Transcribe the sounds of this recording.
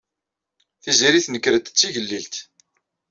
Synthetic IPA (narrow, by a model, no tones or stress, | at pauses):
θiziɾiθnəkːɾət̪t͡sːiʝəlːilt̪